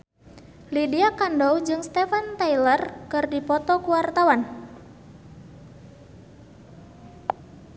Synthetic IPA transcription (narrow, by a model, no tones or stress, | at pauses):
lidiakandɔwd͡ʒɨŋst̪ɛfant̪ajlərkɨrdipɔt̪ɔkuwart̪awan